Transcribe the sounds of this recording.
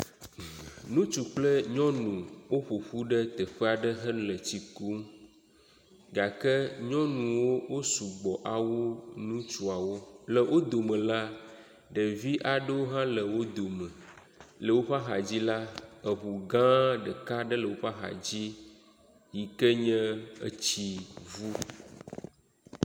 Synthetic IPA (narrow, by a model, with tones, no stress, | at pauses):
nũ˦t͡ʃu˨k͡plə˦ɲɔ̃˦nũ˨wo˦ɸo˨ɸu˦ɖə˦t̪ɛ˨ɸɛ˦a˨ɖə˦ɦə˦llə˨t͡ɕi˨ku˦ | ɡa˨kɛ˦ɲɔ̃˦nũ˨wo˦wo˦su˨ɡ͡bɔ˨ʔa˨wo˦nũ˦t͡ʃu˨a˨wo˦lə˨wʔo˦d̪o˨mə̃˨la˦ | ɖə˨vi˦ʔa˨ɖə˦wo˦ɦã˦lə˨wo˦d̪o˨mə˨ | lə˨wo˦ɸa˦ɦa̰˨d͡ʑi˦la˦ə˨βu˨ɡã˦ɖə˨ka˦ɖə˦lə˨wo˦ɸa˦ɦa̰˨d͡ʑi˦ | ji˨kə˦ɲɛ̃˦ə̰˦t͡ɕi˨vu˦